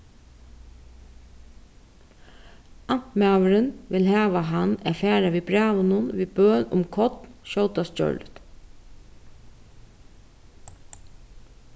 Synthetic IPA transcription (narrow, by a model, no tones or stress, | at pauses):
an̥mæːʋəɾɪnʋɪlɦæːʋaɦanɛ̰fæːɾaʋiːbɹæːʋʊnʊnʋiːbœːnʊ̰mkʰɔt̪nʃɔwt̪ast͡ʃœ̰ɹlt̪